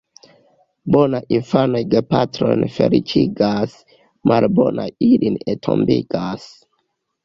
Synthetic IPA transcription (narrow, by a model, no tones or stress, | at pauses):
bonajʔinfanojɡepatɾo̞̰jnfe̞ɾit͡ʃiɡas | mʔalbonajilinetʰo̰mbiɡ̥as